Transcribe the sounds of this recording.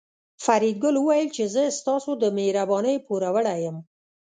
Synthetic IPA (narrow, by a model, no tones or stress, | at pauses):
faɾid̪̚ɡʊlwəwajəlt͡ʃezəst̪ɑsod̪əmeɾabɑnəjpuɾawəɽajəm